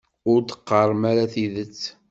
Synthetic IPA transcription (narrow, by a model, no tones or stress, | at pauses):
ʊɾd̪ə̥qːəɾˤmæɾæθiðət͡sː